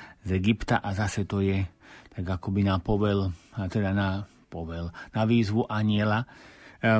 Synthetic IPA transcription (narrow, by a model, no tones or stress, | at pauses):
zɛɡipt̪aʔazasɛt̪ɔjɛt̪aɡakɔbinapɔʋɛlt̪ɛd̪ana | pɔʋɛlnaʋiːzʋuʔaɲɪɛla